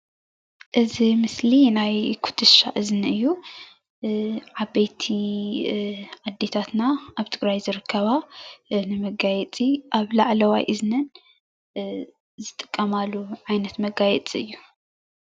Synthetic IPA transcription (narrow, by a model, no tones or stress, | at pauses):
ʔɨzimɨslinajkʰu̥t̪ʰɨʃa̰ʔɨznɨjːu | ʕabejt̪ʰi | ʕad̪ːet̪ʰat̪naʔaβt̪ʰɨɡɾajzɨɾɨkʰːɐβanɨmɐɡajɛt͡sʼiʔaβlaʕlɐwa̰jʔɨznɨn | zɨt̪ʼɨ̥kʼːɐmalːuʕajnɐt̪mɐɡajɛt͡sʼiɨjːu